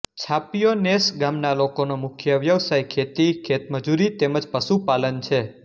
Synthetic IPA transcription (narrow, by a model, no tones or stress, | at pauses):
t͡ʃʰapijonesɡamnalokonomʊkʰjəʋjəʋsajkʰet̪ikʰet̪məd͡ʒuɾit̪eməd͡ʒpəʃupalənt͡ʃʰe